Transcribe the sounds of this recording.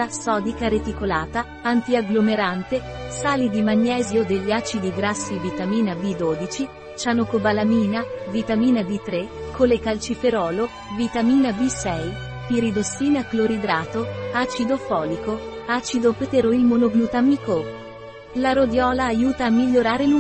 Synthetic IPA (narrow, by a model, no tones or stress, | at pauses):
asɔːd̪ikaɾet̪ikolaːt̪a | ant̪iaɡlomeɾant̪e | saːlid̪imaɲːɛːzjod̪eʎːaːt͡ʃid̪iɡɾasːivit̪amiːnabid̪oːd̪it͡ʃi | t͡ʃanokobalamiːnavit̪amiːnab̪it̪ɾekʰːolekalt͡ʃifeɾɔːlo | vit̪amiːnabisɛj | piɾid̪osːiːnakloɾid̪ɾaːt̪oat͡ʃid̪ofɔːliko | at͡ʃid̪opet̪eɾoilmonoɡnut̪amiko | laɾod̪jɔːlaːjuːt̪aːmːiʎːoɾaːɾelu